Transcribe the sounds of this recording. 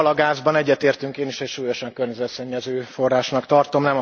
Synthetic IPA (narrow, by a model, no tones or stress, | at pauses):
lɒɡaːzbɒnɛɟːɛt̪eːrt̪yŋkeːniʃɛcʃuːjo̞ʃɒŋkørɲɛzɛt̪sɛɲːɛzøːfo̞rːaːʃnɒkt̪ɒrt̪o̞mnɛmɒ